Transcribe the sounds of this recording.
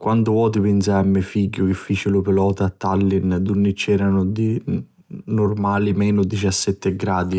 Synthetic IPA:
kwant̪ʊvɔːt̪ipɪnsamːɛfiɟːʊk̟ɪfːiːt͡ʃɪlʊpɪlɔːt̪at̪ːalːind̪unːit͡ʃːɛːɾanʊd̪i | nʊrmaːlimɛːnʊd̪it͡ʃasːɛt̪ːɪɡɾaːd̪i

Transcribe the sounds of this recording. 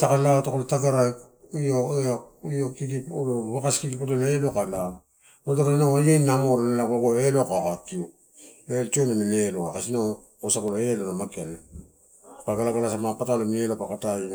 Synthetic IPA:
takalatakolotaɡaɾak | oeojokikipoloβakaskikipatolelokala | otakainaajejnːamoɾonelakoɡoelokakatio | elt͡ʃionaneneloakasina | kosakoloelonamakiane | kaɡalaɡalasamapatalonielopakataji

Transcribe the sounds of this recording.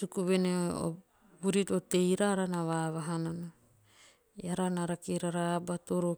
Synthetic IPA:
sukuβeneo̰ | buɾitotejɾaːɾanaβaβaɦanana | jaɾanaɾakiɾaɾaːbatoɾo

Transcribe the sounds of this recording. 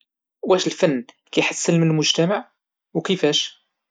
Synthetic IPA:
wæʃəlfænː | kæjħasːəlmənəlmʊʒt̪æmaʕ | wkəfæʃ

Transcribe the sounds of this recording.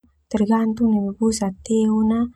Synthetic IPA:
t̪ɛrɡant̪unabebusat̪eona

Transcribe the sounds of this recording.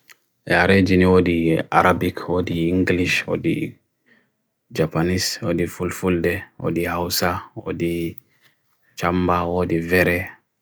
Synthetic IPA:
ʔɛaɾed͡ʒiniwodia̰ɾabikʰwodiiŋɡliʃwo̰dḭ | d͡ʒapaniswo̰difulfuldɛwo̰dihawsawo̰di | t͡ʃambawoːdivɛɾɛ

